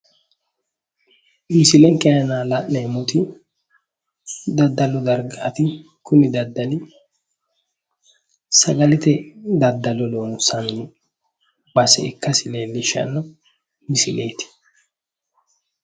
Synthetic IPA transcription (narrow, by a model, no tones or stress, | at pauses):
mɪsɪlɛŋkʼɛjɐnaːlɐʔːɛmʊt̪ɪ | d̪ɐd̪ːɐlɔd̪ɐɾɡaːt̪ɪ | kʊnɪd̪ɐd̪ːɐnɪ | sɐɡɐlɪt̪ɛd̪ɐd̪ːɐlɔloːnsɐnːɪ | bɐsɛɪkːɐsɪleːlːɪʃɐ̰nːɔ | mɪsɪlʔe̞ːt̪ɪ̥